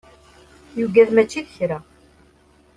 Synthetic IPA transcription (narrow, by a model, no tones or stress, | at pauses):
juɡæðmæt͡ʃːiðəçɾæ